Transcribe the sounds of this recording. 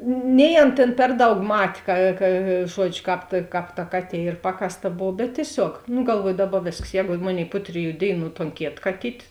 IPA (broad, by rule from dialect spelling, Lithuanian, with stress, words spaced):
nʲɛɪ ˈɐn tʲeːn ˈpʲɛr ˌdɐʊk ˈmɐtʲ kɐ kɐ ˈʒuɔd͡ʒʲʊ ˈkɑːp tɐ ˈkɑːp tɐ ˈkɑːˌtʲiɛ ˈiːr ˈpɑːkɐsˌtɐ ˈboːw bʲɛt tʲiɛˈsʲoːk nʊ ɡɐlˠˈʋuɔjʊ ˈdɑːˌbɐ ˈʋʲeːsks ˈjɛːɡʊ ˈmoːˌnʲeːɪ ˈpʊ tʲrʲɪˌjuː ˈdʲeːɪˌnuː toːn ˈkʲeːt kɐˈtʲiːtʲ